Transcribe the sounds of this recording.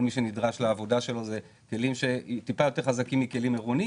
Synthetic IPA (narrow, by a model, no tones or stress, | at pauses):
lmiʃe̞nidʁaʃleavo̞daʃe̞lo̞ze | ke̞limʃe̞tipajo̞te̞ʁχazakimːike̞limeʁoni